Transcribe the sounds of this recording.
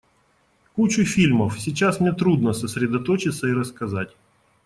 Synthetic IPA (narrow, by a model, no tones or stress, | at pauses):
kut͡ɕʊfʲilʲməfsʲit͡ɕasmnʲet̪ɾud̪nəsəsʲɾʲɪd̪ɐt̪ot͡ɕɪt̪səiɾəskɐzatʲ